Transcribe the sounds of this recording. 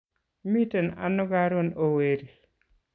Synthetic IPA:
mitɛna̰nːɔɡaɾonoweɾi

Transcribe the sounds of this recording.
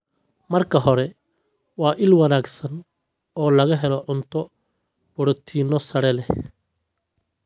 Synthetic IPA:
mɐrkʰɐɦɔɾɛ | wɑːʔɪlwɐnaːɡsɐn | ɔːlɐɣɐɦɛlɔʕʊnt̪ʰɔ | b̥ʊɽʊt̪ʰiːnːɔsɐɽɛlɛ

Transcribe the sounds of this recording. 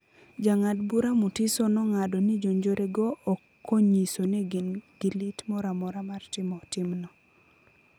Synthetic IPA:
d͡ʒaŋadbuɾamutisɔnɔŋadɔnid͡ʒoɲd͡ʒoɾeɡɔʔː | kːoɲisonɛɡnɡilitmɔɾamɔɾamartɪmɔtɪmnɔ

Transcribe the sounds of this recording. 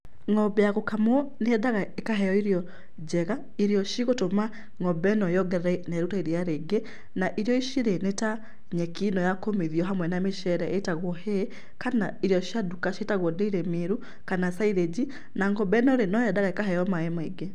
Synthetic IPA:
ŋɔbɛjaɣokamwɔneɛðaɣaekaɦɛjɔiɾiɔ | d͡ʑɛɣa | iɾiɔʃiɣotoma | ŋɔbɛnɔjɔɡɛɾɛnɛɾutaiɾiaɾeɡe | naʔiɾijɔiʃiɾeneta | ɲekinɔjakomeðiɔɦamwɛnameʃɛɾɛʔetaɣwɔhe | kanaiɾijɔʃjadukaʃetaɣwɔdeiɾɛmeɾu | kanasaiɾed͡ʑi | naŋɡɔbɛnɔɾenɔjɛdaɣaekaɦɛjɔmaemaeɡe

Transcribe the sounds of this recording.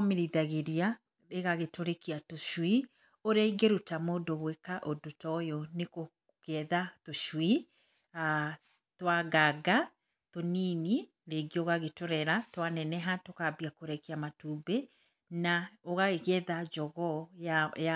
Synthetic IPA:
meɾiðaɣeɾia | ɾeɣaɣetoɾekiatoʃwi | oɾaiɡeɾutamoːdoβwekaʔodotɔjɔneko | kɛðatoʃwi | a | twaɣaɡa | tonini | ɾeɡioɣaɣetoɾɛɾatwanɛnɛɦatokabiakoɾɛkeamatuːbe | naoɣaɣeɣɛðad͡ʒɔɣɔaa

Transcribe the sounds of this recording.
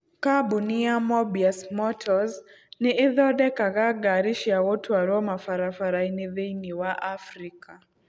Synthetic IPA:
kaɓuniamɔbiasmɔtʰɔz | niiðɔɗɛkaɣaɡaɾiʃiawɔtʰuaɾɔmafaɾafaɾainiðɛjniwaʔafɾika

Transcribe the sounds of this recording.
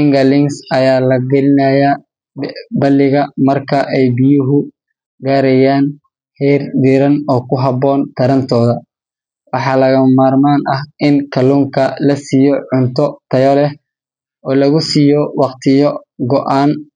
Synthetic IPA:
ɪŋɡɐlɪŋsɐjaːlɐɡɐlɪnɐːjaː | bɐlːɪɣɐmɐrkʰɐʔɛjbɪjʊɦʊ | ɡaːɾɛjaːn | hɛrd̪ɪɾɐnɔːkʰʊɦɑbɔːnt̪ʰɐɾɐnt̪ʰɔːðɐ | wɑħɑːlɐɣɐmaːrmaːnʔɐhʔɪnkʰɐluːŋkʰɐlɐsiːjɔʕʊnt̪ʰɔt̪ʰɐjɔlɛ | ʔɔːlɐɣʊsiːjɔwɑqt̪ʰɪjɔɡɔʔaːn

